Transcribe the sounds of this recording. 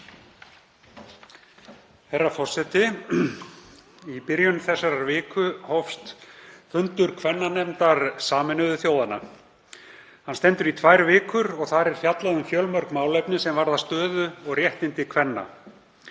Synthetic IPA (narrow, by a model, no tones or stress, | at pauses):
hɛrːafɔr̥sɛt̪ɪ | ipɪɾjʏnθɛsːaɾaɾvɪːkʰʏhɔfst̪fʏnt̪ʏɾ̥kʰvɛnːanɛmt̪aɾsaːmɪnʏðʏθjoːwðana̰ | hanst̪ɛnt̪ʏɾit̪ʰvaːjɾvɪːkʏɾɔɣθaɾɛɾ̥fjat̪laðʏmfjœlmœɾkmaːwlejpnɪsɛmvaɾðast̪œːðʏɔɣrjɛht̪ɪnt̪ɪkʰvɛnːa̰